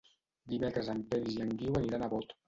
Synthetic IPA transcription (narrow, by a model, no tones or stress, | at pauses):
d̪imekɾezampeliziaŋɡiwaniɾanaβot̪